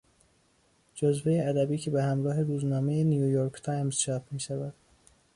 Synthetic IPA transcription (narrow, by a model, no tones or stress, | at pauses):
d͡ʒozve̞jeæd̪æbiːcʰe̞behæmɾɒːɦe̞ɾuːznɒːme̞jenijujoɾkʰt̪ʰɑːjmz̥t͡ʃʰɒːfmiːʃævæd̪̥